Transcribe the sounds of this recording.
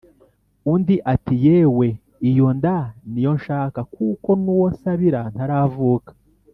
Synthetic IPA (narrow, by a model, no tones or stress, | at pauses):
undiʔatijeːwe̞ | ijo̞ndanijo̞nʃaːkakuko̞nuwosaβiɾan̥aɾavuːkḁ